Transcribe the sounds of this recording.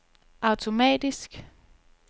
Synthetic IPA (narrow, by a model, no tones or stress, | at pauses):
ʔɑ̈ʊt͡sʰo̝mɛ̰ːd̥isɡ̥